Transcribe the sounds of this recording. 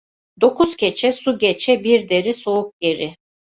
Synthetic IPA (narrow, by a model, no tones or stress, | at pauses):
d̪o̞kʰuz̥cʰet͡ʃʰɛsuɟet͡ʃʰɛbiɾd̪e̞ɾiso̞uk̚ɟe̞ɾɪ